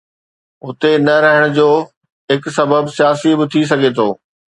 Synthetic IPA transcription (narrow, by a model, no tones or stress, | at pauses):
ʊt̪enɐɾɐɦəɽ̃ʊ̆d͡ʑoː | ɦɪksɐbəbsijaːsibɪt̪ʰis̬ɐɡʱet̪ʰoː